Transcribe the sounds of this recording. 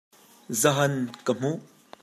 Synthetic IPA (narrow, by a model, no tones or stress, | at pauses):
zɐɦɐnkəm̥uʔ